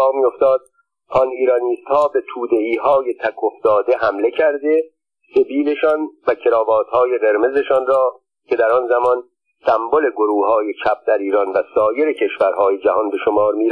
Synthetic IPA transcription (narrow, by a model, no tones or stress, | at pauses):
ɣmiːo̞ft̪ɒːd̪̚ | ɒniːɾɒniːst̪hɒːbe̞t̪ʰuːd̪e̞iːɦɒːje̞t̪ʰækʰofd̪̥ɒːd̪e̞ɦæmle̞cʰæɾd̪e̞ | se̞biːle̞ʃɒːnvæcʰe̞ɾɒːvɒːt̪hɒːje̞ɣe̞ɾme̞ze̞ʃɒːnrɒː | cʰe̞d̪æɾɒnzæmɒn | sæmbole̞ɡoɾuːɦɒːje̞t͡ʃʰæp̚d̪æɾiːɾɒnvæsɒːje̞ɾecʰeʃvæɾɦɒːje̞d͡ʒæhɒnbe̞ʃo̞mɒːɾmiːɾ